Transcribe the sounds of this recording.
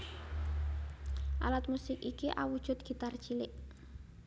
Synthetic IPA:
ʔa̰lat̪̚musɪkikiʔa̰wud̥ʒ̥ʊ̤t̪̚ɡ̥i̤t̪ard̥ʒ̥ilɪʔ

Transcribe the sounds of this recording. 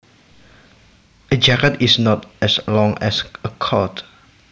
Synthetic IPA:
əd͡ʒakətisnɔtɛslɔ̃ŋɛ̰səkʰɔt

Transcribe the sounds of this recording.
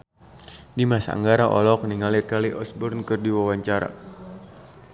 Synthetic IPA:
dimasa̰a̰ŋɡaɾaʔɔ̰lɔk̚niŋalit̪̚kaliʔɔsbɔrnkɨrdiwawaɲt͡ʃaɾa̰

